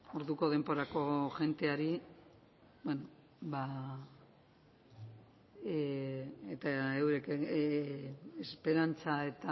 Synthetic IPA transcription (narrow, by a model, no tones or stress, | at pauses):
o̞ɾðuko̞ð̞e̞mbo̞ɾako̞ʝe̞nt̪e̞aɾi | bweno | ba | et̪aewɾeke | espe̞ɾant͡sae̞t̪a